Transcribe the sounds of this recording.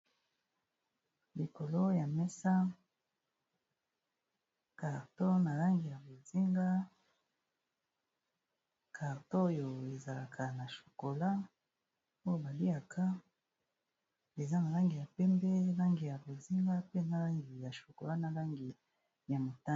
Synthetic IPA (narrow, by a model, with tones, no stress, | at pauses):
li˨ko˨lo˦ja˨mɛ˦sa˦ | ka˨ʁto˦na˨la˦ŋɡi˨ja˨bo˨zi˦ŋɡa˦ | ka˨ʁto˦jo˨e˨za˨la˨kʰa˨na˨ʃo̥˨ko˨la˦ | o˦jo˦˨ba˨li˦a˨kʰa˦ | e˨za˦na˨la˦ŋɡi˨ja˨pɛ˦mbɛ˦la˦ŋɡi˨ja˨bo˨zi˦ŋɡa˦pe˦˨nza˦la˦ŋɡi˨ja˨ʃo˨ko˨la˦na˨la˦ŋɡi˨ | ja˨mo˨ta˦